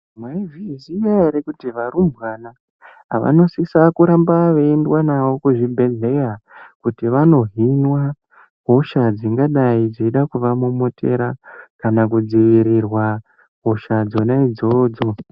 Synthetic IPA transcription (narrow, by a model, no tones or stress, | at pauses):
mwaivizijaɾekutiʋaɾumbɣana | ɦa̰ʋa̰no̞sisakuɾambaʋeendwanawo̞kuʐibʱe̞ɮe̞jakutiʋano̞ɦinwa | ɦo̞ʃad͡ziŋɡaɗaid͡ziiɗakuʋamumotʰe̞ɾakanakud͡ziʋiɾirwa | ɦo̞ʃad͡zo̞naid͡zo̞ːd͡zo̞